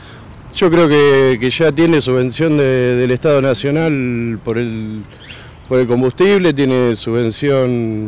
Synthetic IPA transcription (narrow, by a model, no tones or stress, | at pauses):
ʃo̞kɾeokekeʒat̪je̞nesuβe̞nsjo̞nd̪eðeleht̪að̞o̞nasjo̞nalpo̞ɾel | po̞ɾe̞lko̞mbust̪iβle̞t̪̬je̞nesuβe̞nsjo̞n